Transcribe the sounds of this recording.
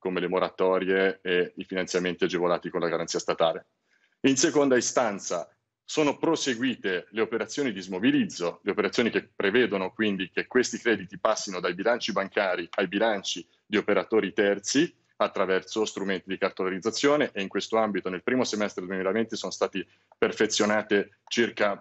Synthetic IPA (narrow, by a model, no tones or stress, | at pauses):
komelemoɾat̪ɔːɾjeːifinant̪jament̪iad͡ʒevolaːt̪ikonlaɡaɾant̪siːast̪at̪a̰ːle | insekond̪aist̪ant̪sa | soːnopɾoseɡwiːt̪eleopeɾat̪sːjoːnid̪izmobilid̪zːoleopeɾat̪sjoːnikepːɾevɛːd̪onokwind̪ikekwest̪ikɾɛːd̪it̪ipasːinod̪ajbilant͡ʃibaŋkaːɾiajbilant͡ʃi | d̪iopeɾat̪oːɾit̪ɛrt̪si | at̪ːɾavɛrt̪sost̪ɾument̪id̪ikart̪olaɾid̪zːat̪sːjoːneʔeiŋkwest̪oambit̪onelpɾiːmosemɛst̪ɾed̪uemilavent̪isoːnost̪aːt̪i | perfet̪sːjonaːt̪e | t͡ʃirka